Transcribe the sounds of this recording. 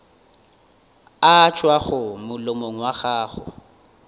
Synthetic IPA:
at͡ʃʼwaɣʊmʊlomoŋ̩waɣaːχʊ̰

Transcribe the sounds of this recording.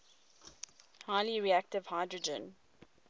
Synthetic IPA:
haɪliɹiæk̚tɪv̥haɪdɹəd͡ʒə̰̃n

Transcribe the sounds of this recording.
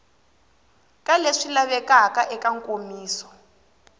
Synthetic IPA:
kʼaleʂilaβɛkakaʔɛkaŋkʼomiːsɔ̥

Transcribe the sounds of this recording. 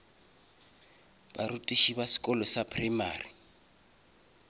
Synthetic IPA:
baɾutʼiʃiβasi̥kʼɔlɔsapʰʼrɛma̰ːri

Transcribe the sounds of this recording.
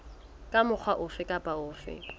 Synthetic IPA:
kʼamʊk͡xʰwaʔʊfɪkʼapʼaʊːfɪ̰

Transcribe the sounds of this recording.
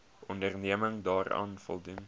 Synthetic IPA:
ɔndərniəməŋdɑːrɑ̰ːnfɔ̰lˠdun

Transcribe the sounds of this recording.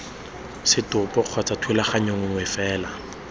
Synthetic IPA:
sɪtʊpɔχʰat͡satʰwelaχaɲoŋʊŋwɛfɛːla

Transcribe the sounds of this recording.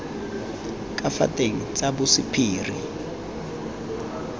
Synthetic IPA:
kʼafa̰tʼeŋit͡sʼabusipʰiːri

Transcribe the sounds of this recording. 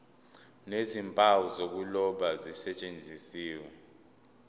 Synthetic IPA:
nezimpʼawɔzok̬ulɔɓazisɛt͡ʃʼend͡zʱisiːwɛ

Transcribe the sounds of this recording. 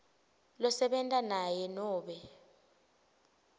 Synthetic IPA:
lɔsɛɓɛntʼanajɛnɔːɓɛ

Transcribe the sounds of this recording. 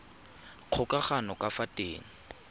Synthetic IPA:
q͡χʰʊkʼaχanɔkʼafatʼḛːŋ̩

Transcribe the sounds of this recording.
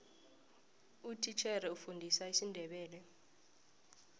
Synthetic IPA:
utʰit͡ʃʰɛrɛufundʱisaisindʱɛɓɛːlɛ

